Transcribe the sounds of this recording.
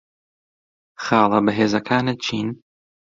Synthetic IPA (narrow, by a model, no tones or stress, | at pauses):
xɑːlˠɨbɐɦeːzɐkʰaːnɨt͡ʃʰiːn